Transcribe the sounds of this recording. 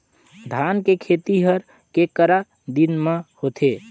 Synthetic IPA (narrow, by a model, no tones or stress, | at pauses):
d̪ʱankekʰet̪iɦəɾ | kekəɾa | d̪inmehot̪ʰe